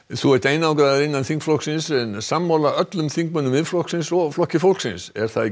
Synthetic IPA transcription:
θuɛht̪ejnawkɾaðaɾɪnːanθiŋkflɔhksɪnsɛnsamːalaœt̪lʏmθiŋk̚mœnːʏmɪðflɔhksɪnsɔɣflɔhcɪfowlksɪnsɛ̰ɾ̥θað

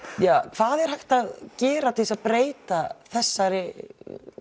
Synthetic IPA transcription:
jakʰv̥aːðɛɾ̥hajht̪aðcɛːɾat̪ʰisaðpɾeːjt̪aθɛsːaɾɪ

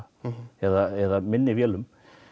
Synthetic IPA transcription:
ɛðaɛðamɪnːɪvjɛlʏm

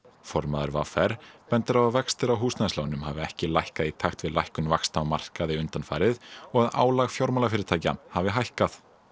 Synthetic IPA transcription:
fɔɾmaðaɾva̰ːfɛɾ̥pɛnt̪ɪɾavavɛkst̪ɪɾawɦuːsnajslawnʏmhavɪɛhcɪlajhkaðit̪ʰaxt̪vɪðlajhkʏnvakst̪awmar̥kaðɪʏnt̪anfaːjɾɪðɔɣaða̰ːwlaɣfjawɾmalafɪːɾɪɾt̪ʰaːjca̰mhavɪɦajhkaθ

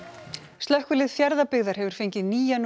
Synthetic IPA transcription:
st̪lœhkvʏlɪðfjaɾðapɪɣðaɾ̥hɛvʏɾ̥feɲcɪðniːjan

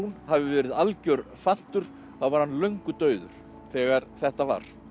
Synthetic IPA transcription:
unhavɪvɛːɾɪðalcœɾfan̥t̪ʏɾ̥ | θawvaɾ̥hanlœɥŋkʏt̪œːɥðʏ̰ɾ̥ | θɛːɣaɾ̥θɛht̪ava̰ɾ̥

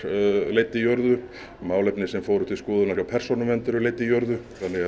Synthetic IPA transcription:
lejt̪ːɪjowɾðʏ | maːwlejpnɪsɛmfoːwɾuht̪ɪskuːðʏnasawpʰɛr̥sɔnʏmɛnt̪ʏɾʏleːjt̪ːɪjowɾðʏθanːɪɣ

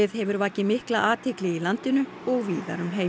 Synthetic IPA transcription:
ɪðhɛvʏɾvaːcɪmɪhklaʔaːt̪ʰɪklɪɣilant̪ɪnʏ | ɔɣviːða̰ɾʏmɦeː

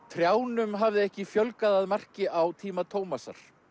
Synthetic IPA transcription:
t̪ʰɾjaːwnʏmɦavðɪɛhcɪfjœlkaðaðmar̥cɪʔawt̪ʰiːmat̪ʰoːwmasa̰ɾ̥

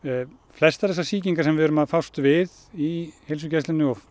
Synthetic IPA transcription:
flɛst̪aθɛs̬ːasiːciŋkaɾsɛmvɪhʏɾʏmaðfawst̪vɪð | ihels̬ʏcɛst̪ɪnːʏɔ

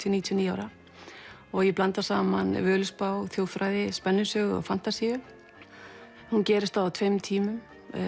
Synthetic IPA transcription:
t̪ʰniːt̪ʰjɔniːjaːwɾa | ɔɣjɛplant̪ḁsaːmanvœːlʏspaːwθjoːwfɾaːjðɪspɛnːʏsœːɣʏɔ̰fan̥t̪asɛ | huncɛːɾɪst̪θaat̪ʰfejmt̪ʰiːmʏm

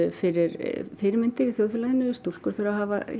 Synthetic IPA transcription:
fɪɾɪɾfɪɾɪɾmɪnt̪ɪɾiθjowðfjʏlaðɪnʏst̪olkɔɾt̪ʰʏɾaɦaːva̰

